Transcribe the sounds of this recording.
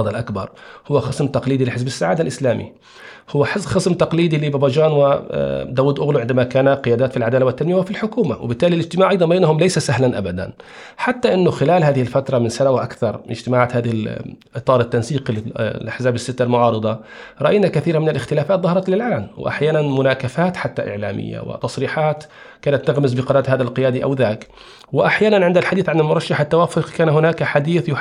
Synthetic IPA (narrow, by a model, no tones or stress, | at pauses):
d̪ˤlʔakbɑ̰ɾˤhʊwːaxɑsmt̪ɑqliːd̪ilɪħɪzbɪsːaʕaːd̪alʔɪslaːmʔḭ | hʊwːaħxɪsmt̪ɑqliːd̪ilɪbɑbad͡ʒaːnwɪd̪awuːd̪ʔʊɣluʕɪnd̪amakaːnaqɪjaːd̪aːt̪filʕad̪aːlawat̪ːanmɪjawfilħʊkuːma̰wɪ̰bɪt̪ːaːlilɪd͡ʒt̪ɪmaːʕʔɑjd̪ˤɑnbajnhʊmlajsasahlanʔa̰bad̪a̰n | ħat̪ːaʔɪnːʊxɪlaːlhaːðɪhɪlfat̪ɾˤɑmɪnsanawɪʔakθɑɾˤɪd͡ʒt̪ɪmaːʕaːt̪haːðɪhɪlʔɨt̪ˤːɑːɾˤɪt̪ːansiːqlɪlʔaħzaːbɪsːɪt̪ːalmʊʕɑːɾɨd̪ˤɑɾˤɑʔajnakaθiːɾamɪnɪlʔɪxt̪ɪlaːfaːt̪ˤðɑhɑɾˤɑt̪lɪlʕaːlwɪ̰ʔa̰ħjaːnanmʊnaːkafaːt̪ħat̪ːaʔɪ̰ʕla̰ːmʔɪ̰jːa̰wɪ̰t̪ɑsˤɾiːħaːt̪ | kaːnat̪ːaɣmɪsbɪqɑnaːt̪haːðalqɪjaːd̪iʔa̰wðaːk | wɪʔaħjaːnanʕɪnd̪alħad̪iːθʕanɪlmʊɾˤɑʃːaħɪt̪ːawaːfʊqkaːnhʊnaːkaħad̪iːθjʊ